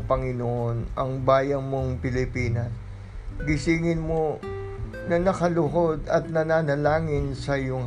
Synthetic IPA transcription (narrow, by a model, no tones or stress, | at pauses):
pɐŋɪnoʔo̞nɐŋbaːjɐnmo̞ŋpɪlɪpiːnɐs | ɡɪsiːŋɪnmo̞ | nɐnɐkɐlʊɦo̞d̪ɐt̪̚nɐnaːnɐlaːŋɪnsɐjʊŋ